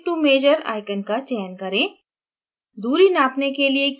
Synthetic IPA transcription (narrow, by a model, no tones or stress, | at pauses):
ʈuːmeːd͡ʒəɾa̰ːɪkənkat͡ʃɛːnkɐɾẽː | d̪uːɾinaːpnekeliek